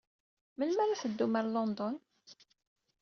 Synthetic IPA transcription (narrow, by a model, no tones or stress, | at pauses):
məlmæɾaθəd̪ːuməɾlɔnd̪ɔn